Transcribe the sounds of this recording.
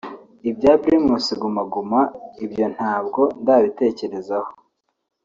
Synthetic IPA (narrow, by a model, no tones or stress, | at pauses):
ibɟaːβiɾimuːsiɡumaɡumaibjo̞n̥haːb̚ɡo̞ndaːβite̞ːce̞ɾe̞zaho